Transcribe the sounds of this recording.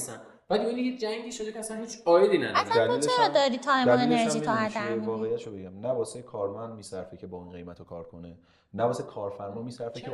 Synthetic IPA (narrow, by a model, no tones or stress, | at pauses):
sæn | bæd̪miinied͡ʒæŋɡiːʃod̪ecʰeæsænhiːt͡ʃɒːjed̪iːnæd̪saæmot͡ʃɾɒːd̪ɒːɾit̪ʰɒːjmoeneɾʒiːt̪ʰɔɦat̪ævɒːɣejæt̪ʃobeɡæmnæbɒːsekʰɒːɾmænd̪̚miːsæɾfecʰe̞bɒːinɡe̞jmæt̪ʰokʰɒːɾkʰo̞ne | næbɒːsekʰɒːɾfæɾmɒːmiːsæɾfekʰe